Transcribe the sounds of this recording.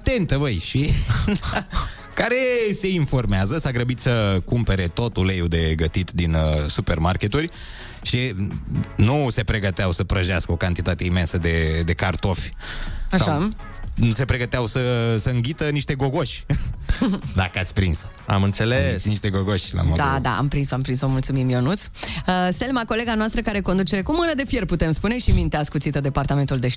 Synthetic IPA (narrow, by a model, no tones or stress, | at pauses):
at̪e̞nt̪əvəjʃi | kaɾe̞se̞info̞rmeazəsaɡɾəbit̪səkumpe̞ɾe̞t̪o̞t̪ulejud̪e̞ɡət̪it̪d̪insupe̞rmarkʲe̞t̪urʲ | ʃi | nuse̞pɾe̞ɡət̪eawsəpɾəʒeaskəo̞kant̪it̪at̪e̞ime̞nsəd̪e̞d̪e̞kart̪o̞fʲʃsaa | nuse̞pɾeɡət̪eawsəsəɨŋɡʲit̪əniʃt̪e̞ɡoɡo̞ʃʲ | d̪akəat̪sʲpɾins | a̰mɨnt̪seleissniʃt̪eɡoɡoʃʲla̰mod̪ad̪a̰a̰mpɾinsoampɾinsomult̪sumimjo̞nut̪səselmako̞le̞ɡanoast̪ɾəkaɾe̞kond̪ut͡ʃe̞kumɨnəd̪e̞fjerput̪e̞mspune̞ʃimint̪easkut̪sit̪əd̪e̞part̪ame̞nt̪uld̪e̞